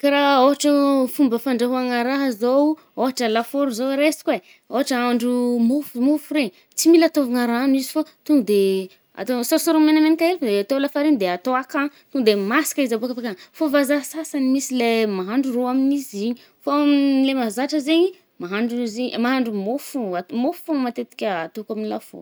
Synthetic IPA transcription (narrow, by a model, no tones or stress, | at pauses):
kaɾaoɦaʈ͡ʂəfumbəfaɳɖ͡ʐaɦuaŋaɾaɦəzow | oɦaʈ͡ʂəlafoɾuzoɾesi̥kwe | oɦaʈ͡ʂəaɳɖ͡ʐumufumufuɾeɲ | t͡similat̪ovaŋaɾanizifot̪uŋd̪e | a̰t̪ososoɾomenamenikaefd̪eat̪olafaɾend̪eat̪oakat̪uɡd̪emasi̥kaizabokapakanfovazaɦsasanimisilemaɦaɳɖ͡ʐuroaminiziɲi | foamilemazaʈ͡ʂəzeɲi | maɦaɳɖ͡ʐuzemaɦaɳɖ͡ʐumofuamoffomat̪et̪i̥kʲəat̪okaminilafo̰ɾ